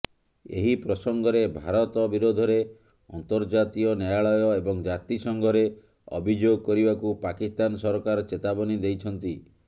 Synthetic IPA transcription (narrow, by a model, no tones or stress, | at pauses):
ḛɦipɾɔsɔŋɡɔɾebʱaɾɔt̪ɔbiɾod̪ʱɔɾe | ɔ̰nt̪ɔɾd͡ʒat̪iɔnjajaɭɔjɔebɔŋd͡ʒat̪isɔŋɡɔɾe | ɔ̰bʱid͡ʒoɡɔkɔɾibakupakist̪ansɔɾɔkaɾɔt͡ʃet̪abɔnid̪ejt͡ʃʰɔnt̪i